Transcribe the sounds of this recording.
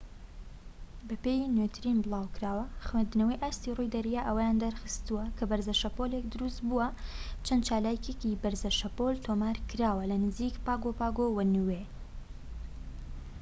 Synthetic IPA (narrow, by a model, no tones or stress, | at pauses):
bɐpejnwet̪ʰɨɾinbɨlˠaːwkɨɾaːwɐxwend̪ɨnɐwɐjʔaːst̪irujd̪ɐɾijaʔəwɐjaːnd̪ɐɾxɨ̥st̪uwɐkʰɐbɐɾzɐʃɐpolekd̪ɨɾust̪buwɐt͡ʃʰɐnt͡ʃaːlaːkekibɐɾzɐʃɐpolt̪ʰomaːɾkɨɾaːwɐlɐnɨzikpaːɡopaːɡowɐnuwe